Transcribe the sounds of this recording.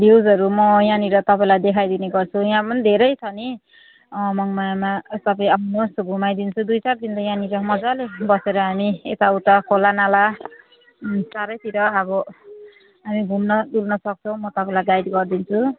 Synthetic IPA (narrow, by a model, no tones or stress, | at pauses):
bjewd͡zɦʌɾumʌjãniɾʌt̪ʌpaĩlajd̪ekʰajd̪ineɡʌrt͡sʰujãpʌnid̪ʱeɾʌjt͡sʰʌni | mʌŋmajamasʌpaĩʌpʰnosɡʱumajd̪int͡sʰud̪ujt͡sard̪ind̪ʌjãniɾʌmʌd͡zalebʌseɾʌɦamiet̪auʈakʰolanala | saɾʌjt̪iɾʌːbʌ | ɦamiɡʱumnʌd̪ulnʌsʌk̚t͡sʰʌ̃w̃mʌt̪ʌpaĩlajɡajd̪ɡʌrd̪int͡sʰu